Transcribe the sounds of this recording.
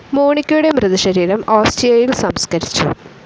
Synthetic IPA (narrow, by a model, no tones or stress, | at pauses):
muːɳikʲːuɽe̞mrɨðiʂɐɾiːɾɐmaːsʈrijɐjilsɐmskɐɾit͡ɕːṵ